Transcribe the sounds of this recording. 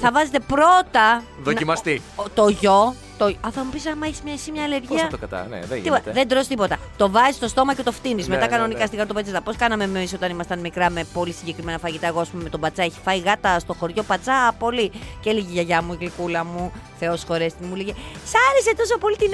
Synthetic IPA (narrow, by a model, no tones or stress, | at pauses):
θɐvɐze̞t̪e̞pɾo̞t̪ɐðonimɐst̪it̪o̞ʝo̞ | t̪oɐθɐmupis̬ɐnmɐeçi̥smɲɐisimɲɐːleɾʝiɐkɐt̪ɐ̰n̰ipoðend̪ɾo̞st̪ipo̞t̪ɐt̪o̞vɐzist̪o̞st̪o̞mɐcet̪oft̪inizme̞t̪ɐkɐno̞nikɐst̪iɣɐɾot̪opɐt͡set̪ɐpo̞skɐnɐme̞miso̞t̪ɐnimɐst̪ɐnmikɾɐme̞po̞lisiɲɟekɾime̞nɐfɐʝit̪ɐe̞ɣoɐspumeme̞t̪o̞bɐt͡sɐeçi̥fɐiɣɐt̪ɐst̪oxo̞ɾʝo̞pɐt͡sɐpo̞liceliʝiʝɐʝɐmuiɣlikulɐmuθe̞o̞sxo̞ɾest̪imuliʝesɐɾese̞t̪o̞sopo̞lit̪in